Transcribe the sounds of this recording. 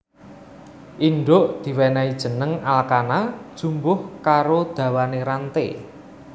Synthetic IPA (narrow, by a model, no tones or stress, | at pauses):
ʔinɖʊʔd̪̥i̤wɛnaid̥ʒ̥ə̤nəŋalkanad̥ʒ̥umbʊhkaɾod̪̥a̤waneɾant̪ḛ